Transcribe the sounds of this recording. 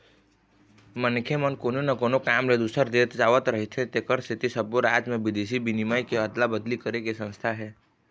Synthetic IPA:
mənkʰemənkoːnonɐkoːnokaːmled̪ʊsəɾd̪eːt̪d͡ʒaːʋət̪ɾɐɦit̪ʰɦẽt̪ekəɾst̪ʰɪt̪isəboɾaːd͡ʒmẽbɪd̪eːsibinimajkeət̪labəd̪likəɾekesə̃nst̪ʰaɦɛː

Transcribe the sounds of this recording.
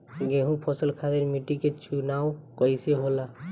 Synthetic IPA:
ɡeɦũpʰɔsəlkʰad̪eɾmiʈiket͡ʃunawkəjseɦola

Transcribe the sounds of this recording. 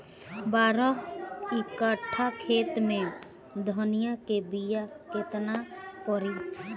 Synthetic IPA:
baːɾɔɪkəʈʰːakʰeːt̪mẽ | d̪ʱɔnɪjakebijakɪt̪nakɔɾi

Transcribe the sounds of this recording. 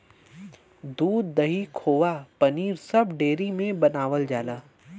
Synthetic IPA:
d̪uːd̪̚ːɐɦikʰoːʋapɐniːɾsɐbɖeːɾimẽbɐnaːʋəld͡ʒaːlaː

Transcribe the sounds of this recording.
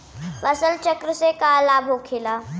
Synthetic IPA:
ʋɐsəlt͡ʃəkɾəsekalaːbʱokʰeːlaː

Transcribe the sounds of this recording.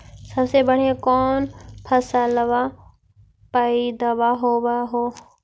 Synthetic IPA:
səbsebəɽ̤ekɔːnpʰəsaləʋa | paid̪əʋaɦoʋaɦo

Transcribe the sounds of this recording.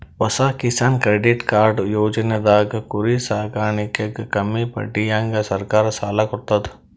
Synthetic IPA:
ʋɐsaːkɪsaːnkɾeːɖɪʈkaːɾɖjoːd͡ʒnəd̪aːɡkʊɾisaːkaːnɪkekkɐmipɐ̰ʈijãŋɡsɐɾkaːɾsaːlɐkʊt̪ət̪

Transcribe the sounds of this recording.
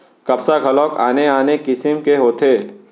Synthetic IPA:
kɐpsaɡʱɐlɔːka̰ːneaːnekɪsɪmkeɦoːt̪ʰeː

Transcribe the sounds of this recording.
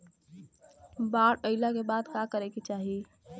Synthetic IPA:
baɾəɪlakebad̪kakəɾeket͡ʃaɦi

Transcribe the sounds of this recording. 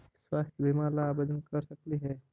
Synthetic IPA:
swaːst̪ʰjəbʱimalaːbed̪ənkəɾsəkliɦɛː

